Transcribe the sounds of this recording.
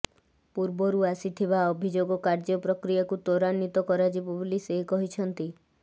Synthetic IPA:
puɾbɔɾuasit̪ʰiβaɔbʱid͡ʒoɡɔkaɾd͡ʒɔpɾɔkɾijakut̪oɾanːit̪ɔkɔɾad͡ʒibɔbulisekɔɦit͡ʃʰɔnt̪i

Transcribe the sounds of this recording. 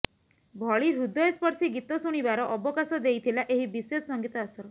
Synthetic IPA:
bʱɔɭiɾud̪ʱɔespɔɾsiɡit̪ɔsuɽ̃ibaɾɔʔɔbɔkasɔd̪ejt̪ʰilaʔeɦibisesɔsɔŋɡit̪ɔasɔɾɔ

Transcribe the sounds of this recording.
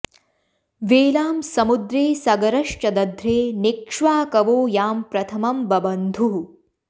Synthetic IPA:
ʋeːlaːmsɐmud̪ɾeːsɐɡɐɾɐʂt͡ʃɐd̪ɐd̪ʱɾeːnikʂʋaːkɐʋoːjaːmpɾɐt̪ʰɐmɐmbɐbɐnd̪ʱuɦ

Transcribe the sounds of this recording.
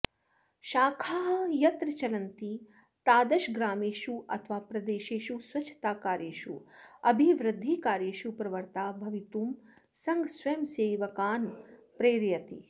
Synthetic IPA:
ʃaːkʰaːɦjɐt̪ɾɐt͡ʃɐlɐnt̪i | t̪aːd̪ɐʃɡɾaːmeːʃuʔɐ̰t̪ʰʋaːpɾɐd̪eːʃeːʃusʋɐt͡ʃʰːɐ̥t̪aːkaːɾjeːʃuɐbʱiʋɾɪd̪ʱːikaːɾjeːʃupɾɐʋɐɾt̪aːbʱɐʋit̪uːm | sɐŋɡsʋɐjmseːʋɐkaːnpɾeːɾjɐt̪ḭ

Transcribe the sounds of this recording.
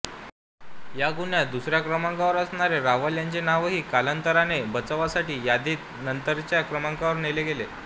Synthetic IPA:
jaɡuɳjad̪usɾjakɾəmaŋkaʋəɾəsɳaɾeɾaʋəljaɲt͡ɕenaʋəɦiːkalənt̪əɾanebət͡səʋasaʈiːjad̪iːt̪nənt̪əɾt͡ɕjakɾəmaŋkaʋəɾneleɡele

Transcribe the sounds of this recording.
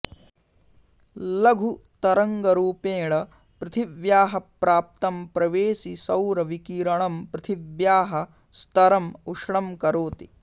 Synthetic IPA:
lɐɡʱut̪ɐɾɐŋɡɐɾuːpeːɭɐ | pɾɪt̪ʰiʋjaːɦɐpɾaːp̚t̪ɐmpɾɐʋeːsisɐwɾɐʋikiːɾɐɳɐmpɾɪt̪ʰiʋjaːɦɐ | st̪ɐɾɐmuʂɽɐmkɐɾoːt̪i

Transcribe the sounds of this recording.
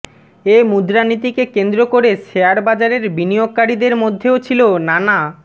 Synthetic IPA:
emud̪ɾanit̪̬ikekend̪ɾokoɾeʃeaɾbad͡ʑaɾeɾbinijoɡ̚kaɾid̪eɾmod̪ʱːeot͡ɕʰilonana

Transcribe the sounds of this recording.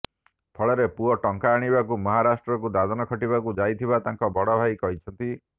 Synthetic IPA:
pʰɔɭɔɾepuɔʈɔŋkaːɽ̃iβakumɔɦaɾasʈɾɔkud̪ad̪ɔnɔkʰɔʈibakud͡ʒajt̪ʰibat̪aŋkɔbɔɽɔbʱajkɔɦit͡ʃʰɔnt̪i

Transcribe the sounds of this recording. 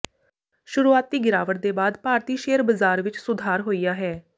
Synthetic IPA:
ʃʊɾuːaːt̪̚ːiːɡɪɾaːʋəʈ̚d̪eːbaːd̪paːɾt̪iːʃeːəɾbəzaːɾʋɪt͡ʃsʊd̪ʱaːɾɦoːiːjaːɦɛː

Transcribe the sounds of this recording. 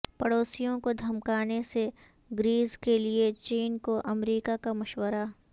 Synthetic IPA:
pɐɽoːsijõkod̪ʱɐmkaːnese | ɡɾiːzkeliet͡ʃiːnkoʔɐmɾiːkakamɐʃwəɾa

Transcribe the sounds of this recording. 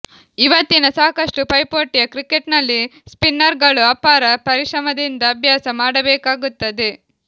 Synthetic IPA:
iʋɐt̪ːinɐsaːkɐʂʈupɐjpoːʈːijɐkɾikeʈnɐlːispinːɐɾɡɐɭuɐːpaːɾɐpɐɾiʂɾɐmɐd̪ind̪ɐːbʱjaːsɐmaːɽɐbɛːkaːɡut̪ːɐd̪e

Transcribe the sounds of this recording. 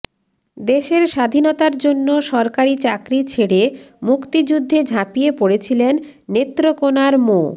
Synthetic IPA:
d̪eʃeɾʃad̪ʱinot̪aɾd͡ʑonːoʃɔɾkaɾit͡ɕakɾit͡ɕʰeɽemukt̪id͡ʑud̪ʱːed͡ʑʱapijepoɽet͡ɕʰilenːet̪ːɾokonaɾmo

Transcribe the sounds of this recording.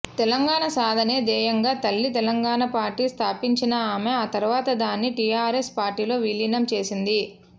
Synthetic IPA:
t̪ɛlɐŋɡaːɳɐsaːd̪ʱɐneːd̪ɛːjɐŋɡaːt̪ɐlːit̪ɛlɐŋɡaːɳɐpaːɾʈiːst̪ʰaːpiɲt͡ʃinɐaːmeaːt̪ɐɾuʋaːt̪ɐd̪aːnːiʈijaːɾespaːɾʈiːlo̞ːʋilinɐmt͡ʃe̞ːsind̪i

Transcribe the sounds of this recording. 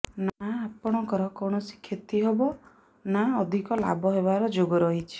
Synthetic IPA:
naapɔɽ̃ɔkɔɾɔkɔwɳɔsi̥kʰjɔt̪iɦebɔ | naɔd̪ʱikɔla̰bʱɔɦebaɾɔd͡ʒoɡɔɾɔɦit͡ʃʰi̥

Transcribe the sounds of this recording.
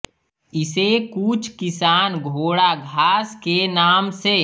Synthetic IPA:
ɪsekut͡ʃʰkɪsaːnɡʱoːɽaɡʱaːskenaːmseː

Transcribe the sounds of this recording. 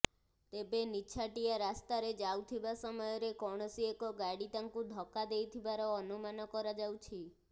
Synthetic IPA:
t̪ebenit͡ʃʰaʈijaɾast̪aɾed͡ʒawt̪ʰibasɔmɔjɔɾekɔɽ̃ɔsiekɔɡaɽit̪aŋkuɖʱɔkad̪ejt̪ʰibaɾɔːnumanɔkɔɾad͡ʒawt͡ʃʰi

